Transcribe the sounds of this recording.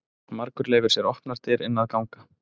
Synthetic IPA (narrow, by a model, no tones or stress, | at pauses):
maɾkʏɾleːjvɪɾsjɛɾɔhpnaɾ̥t̪ʰɪːɾɪnːaðkawŋkḁ